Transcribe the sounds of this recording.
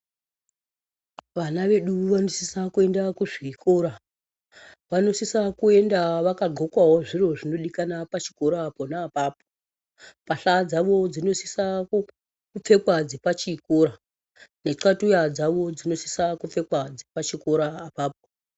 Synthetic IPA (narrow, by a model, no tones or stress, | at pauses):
ʋanaʋe̞ɗuʋanosisakue̞ndakuʐiːko̞ːɾa | ʋano̞sisakue̞ndaʋakaɡʱo̞kwawoʐiro̞ʐino̞ɗikanapat͡ʃi̥ko̞ɾaːponaːpaːpo̥ | paɬad͡zaʋo̞d͡zino̞sisa | kup͡fe̞kwad͡zipat͡ʃikoɾa | ne̞ǀatujad͡zaʋo̞d͡zino̞si̥sakup͡fe̞kwad͡zipat͡ʃiko̞ɾaːpaːp̚o